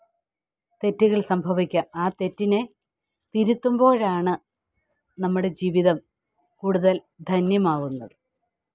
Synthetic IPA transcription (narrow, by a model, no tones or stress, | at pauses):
t̪e̞tːuɣɐɭsɐmbʱɐʋikʲːɐmaːt̪e̞tːine̞ | t̪iɾut̪ːumbo̞ːɻaːɳɨ | nɐmːuɽe̞d͡ʑiːʋiðɐm | kuːɽuðɐl | d̪ʱɐnjɐmaːʋunːɐðɨ